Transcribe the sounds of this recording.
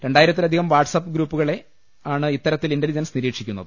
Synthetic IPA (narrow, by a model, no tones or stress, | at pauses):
ɾe̞ɳɖaːjiɾɐt̪ːilɐd̪ʱiɣɐmʋaːrʈsɐpːɨɡɾuːpːuɣɐɭe̞ | aːɳɨit̪ːɐɾɐt̪ːilindɐld͡ʑenɐsniɾiːkʂikʲːunːɐðɨ